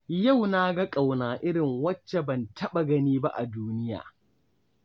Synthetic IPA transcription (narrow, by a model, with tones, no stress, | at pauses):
ja˦˨wna˦ɡɐ˦kʼa˨wnaː˨ʔɪ˦ɾɪ˨ŋwɐ˦t͡ʃːe˨bɐ˨ntʰɐ˦ɓa˨ɡɐ˦niː˦ba˦ʔa˨duː˦nɪ˦ja̰ː˨